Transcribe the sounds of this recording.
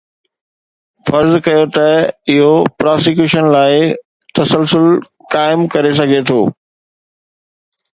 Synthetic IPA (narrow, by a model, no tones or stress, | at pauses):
fɐɾzkɐjot̪ɐɪɦopɾaːsɪkjuːʃənlaːɪ | t̪ɐsəlsʊl | kaːɪmkɐɾes̬ɐɡʱet̪ʰoː